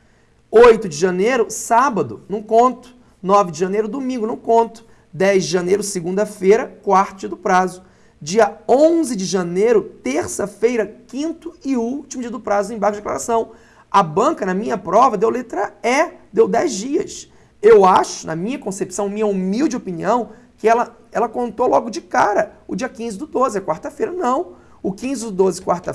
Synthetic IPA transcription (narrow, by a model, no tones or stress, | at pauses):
ojt̪ʊd͡ʒɪʒɐ̃nejɾʊsabɐd̪ʊnʊ̃kõnt̪ʊ̥ | nɔvɪd͡ʒɪʒɐ̃nejɾʊd̪omĩɡʊnʊ̃kõnt̪ʊ̥ | d̪ɛjzd͡ʒɪʒɐ̃nejɾʊsɪɡũnd̪ɐfejɾɐkwaɾt̪ʊt͡ʃɪd̪ʊpɾazʊ | d͡ʒiɐõzɪd͡ʒɪʒɐnejɾʊt̪eɾsɐfejɾɐkĩnt̪ʊɪuwt͡ʃimʊd͡ʒiɐd̪ʊpɾazʊẽj̃baɾkʊɪdeklaɾasɐ̃w̃ | ɐbɐ̃kɐnɐmĩɲɐpɾɔvɐd̪ewlet̪ɾɐɛd̪ewd̪ɛzd͡ʒiɐs | ewaʃʊnɐ̰mĩɲɐkõsepsɐ̃w̃mĩɲɐumiwd͡ʒɪopiniɐ̃w̃ | kɪɛlɐ | ɛlɐkõnt̪owlɔɡʊd͡ʒɪkaɾɐʊd͡ʒiɐkĩzɪd̪ʊd̪ozɪɐkwaɾt̪ɐfejɾɐnɐ̃w̃ | ʊkĩzɪd̪ʊd̪ozɪkwaɾt̪ɐ